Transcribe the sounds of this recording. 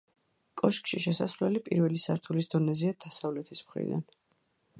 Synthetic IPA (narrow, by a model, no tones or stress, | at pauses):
kʼɔʃkʼʃiʃɛsasɾwlɛlipʼiɾvɛlisaɾt̪ʰulisd̪ɔnɛziad̪̥asavlɛt̪ʰismχɾḭd̪a̰n